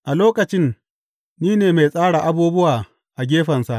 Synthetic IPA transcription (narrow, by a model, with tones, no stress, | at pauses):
ʔa˨loː˦kɐ˨t͡ʃɪ˦nː | iː˦neː˨me˨sʼaː˦ɽa˨ʔa˦buː˦bʊ˦waː˨ | ʔa˨ɡʲeː˦ɸɐ˨nsa˨ʔ